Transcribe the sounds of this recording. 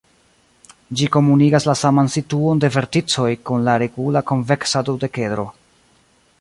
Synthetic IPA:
d͡ʒiko̞muniɡaslasamansituo̞nde̞ve̞ɾtit͡so̞jkunlaɾe̞ɡulako̞nve̞ksadode̞ke̞dɾo̞̰

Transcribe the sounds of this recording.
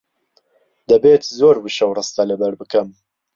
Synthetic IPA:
d̪̥ɐbeːt̪zoːɾbɨʃɐwrɨst̪ɐlɐbɐɾbɨkɐm

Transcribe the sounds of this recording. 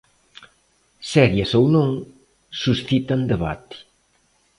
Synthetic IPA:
sɛɾjɐsownõŋ | susθit̪and̪eβa̰t̪i̥

